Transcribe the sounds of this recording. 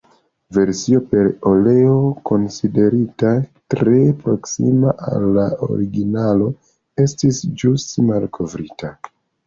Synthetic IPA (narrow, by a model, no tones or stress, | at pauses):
ve̞ɾsio̞pe̞ɾo̞le̞oko̞nside̞ɾitatɾe̞pɾo̞ksḭmaʔa̰lːao̰ɾiɡinalo̞ | e̞stisd͡ʒustmalkʰo̞vɾita